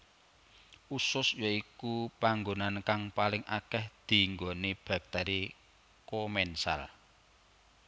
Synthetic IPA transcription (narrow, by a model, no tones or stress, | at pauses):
usʊsjoikupaŋɡonankaŋpalɪŋʔakɛhd̪̥i̤ŋɡoneb̥a̤k̚t̪ɛɾi | komɛnsa̰l